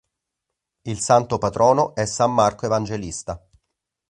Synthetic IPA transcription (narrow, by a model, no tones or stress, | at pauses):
ilsant̪opat̪ɾɔːnoʔɛsːamːarkoevand͡ʒelist̪a